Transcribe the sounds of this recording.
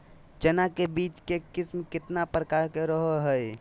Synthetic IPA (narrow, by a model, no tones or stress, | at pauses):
t͡ʃenakebit͡ʃkekismkɪt̪napɾəkaɾkeɾəɦəɦəj